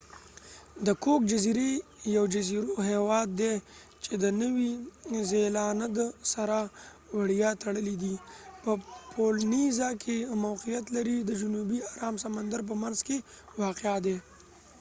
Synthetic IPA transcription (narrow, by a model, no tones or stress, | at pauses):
d̪əkok̚d͡ʒaziɾejawd͡ʒaziɾoɦewɑd̪ːe | t͡ʃed̪ənəwizelɑnad̪saɾa | waɽjɑt̪ʰaɽəlid̪ipəpʰolnizakʰemawqijat̪laɾid̪əd͡ʒʊnubiaɾɑmsamand̪aɾp̬əmanzke | wɑqeɑd̪e